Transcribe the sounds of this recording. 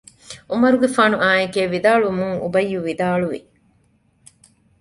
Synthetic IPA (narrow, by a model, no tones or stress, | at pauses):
ʔumɐɾuɡefaːnuʔaːekeːʋid̪aːɭumuŋṵbɐjːuʋid̪aːɭuʋḭ